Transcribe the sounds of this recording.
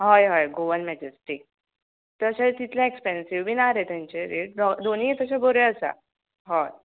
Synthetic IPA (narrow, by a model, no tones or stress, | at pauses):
ɦajɦajɡoʋənmɛd͡ʑesʈi | t̪əɕat̪it̪ʰljãekspɛnsiʋbinaɾet̪ɛ̃ɲt͡ɕeɾeɖɔd̪onijet̪əɕabəɾeəsa̰ | ɦa